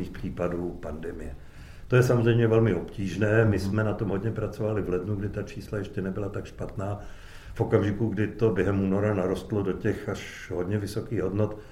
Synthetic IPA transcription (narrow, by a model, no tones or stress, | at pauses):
iːxpr̝̥iːpaduːpandɛmɪjɛ | t̪o̞jɛsamozr̝ɛjmɲɛvɛlmɪo̞pciːʒnɛːmɪsmɛnat̪o̞mɦodɲɛpɾat͡so̞valɪvlɛdnuɡdɪt̪at͡ʃʰiːslajɛʃcɛnɛbɪlat̪akʃpat̪naː | fʔo̞kamʒɪkuɡdɪt̪objɛɦɛmuːno̞ɾanaɾo̞st̪lodo̞cɛxaʃ | ɦo̞dɲɛvɪso̞kiːɣɦo̞dnot̪